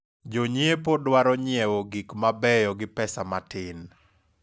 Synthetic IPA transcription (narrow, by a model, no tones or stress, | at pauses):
d͡ʒoɲiepodwaɾɔɲɪɛwoɡikmabɛjɔɡɪpɛsamatɪn